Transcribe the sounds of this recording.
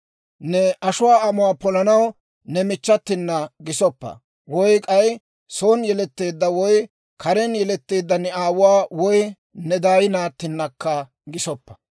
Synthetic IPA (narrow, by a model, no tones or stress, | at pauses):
nɛʔɐʃʊwaːɐmʊwaːpɔlɐnɐw | nɛmɪt͡ʃːɐt̪ːɪnːɐɡɪsɔpːɐ̰ | wɔjkʼɐj | soːnjɛlɛt̪ːeːd̪ːɐwɔj | kʰɐɾɛnjɛlɛt̪ːe̞ːd̪ːɐnɛaːwʊwaːwɔj | nɛd̪aːjɪnaːt̪ːɪnːɐkːɐ | ɡɪsɔpːɐ̥